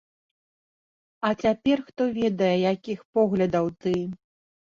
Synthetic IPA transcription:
ɐt͡sʲapʲɛrxt̪ɔvʲɛd̪ɐjɛjakʲixpɔɣlʲɐd̪ɐwt̪ɨ

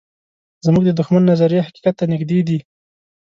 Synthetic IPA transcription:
zmuɡ̚d̪əd̪ʊxmanːazaɾjahaqi̥qat̪ːanɪɡd̪ed̪i

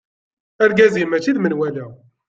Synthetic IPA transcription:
æɾɡæzimæt͡ʃːiðmənwælæ

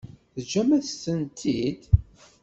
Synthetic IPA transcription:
θəd͡ʒæmæθst̪ːənt̪ʰid̪

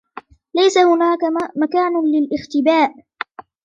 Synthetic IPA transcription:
lajsahʊnaːkamakaːnlɪlʔɪxt̪ɪbaːʔ

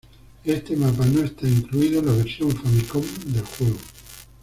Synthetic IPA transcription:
est̪emap̬anoest̪aiŋkluiðolaβeɾsjoɱfaβikomd̪elxweɣo

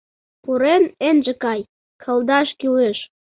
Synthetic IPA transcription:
puɾenenʒə̆kɑj | kʰə̆ld̪ɑʃkyleʃ

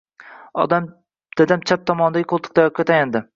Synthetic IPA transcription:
ɒ̰d̪am | d̪̥ad̪amt͡ʃʰap̚t̪ʰɒmɒnɪd̪aɡʲɪqʰolˠt̪ʰɨ̥k̚t̪ajɒkkʲːat̪ʰajand̪ɪ

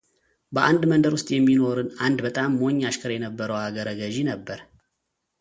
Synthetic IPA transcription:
bəʔand̪mənd̪əɾwʊst̪ʼjɛmːino̞ɾɨnand̪bət̪ʼamːo̞ɲːaʃkʰəɾjɛnəbːəɾəwaɡəɾəɡəʒinəbːəɾ

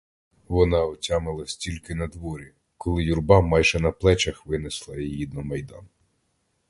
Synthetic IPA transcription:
ʋɔnɑɔtʲamɪlˠɐsʲtʲilʲkɪnɐd̪ʋɔɾʲi | kɔlˠɪjurbɑmɑjʒɛnɐplˠɛt͡ʃɐxʋɪneslˠɐjjid̪nɔmɐjd̪ɑ̰n

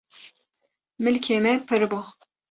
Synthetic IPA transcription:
mɨlkʰemɛpʰɨɾbo

